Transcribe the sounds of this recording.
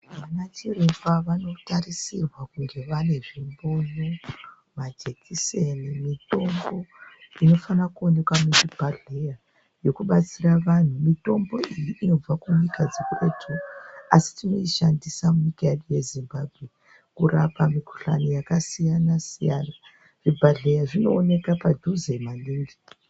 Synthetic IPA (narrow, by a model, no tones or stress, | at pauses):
ʋanat͡ʃirefaʋano̞tarisirwakuŋɡe̞ʋane̞ʐimbo̞no | mad͡ʒekʰisenimito̞mbo̞ino̞fanakuone̞kwamutipaɮeja | jo̞kuɓat͡siraʋan̤umito̞mbo̞ijiʔino̞b͡vakuɲikad͡zeketʰuasi̥tino̞iʃandisamuɲikajeɗuje̞zimbabʱɣe̞ | kurapamiku̥ɬa̰nijakasijanasija̰ːna | ʐ̥ibʱaɮejaʐino̞ːne̞kapadʱuzemaniːŋɡi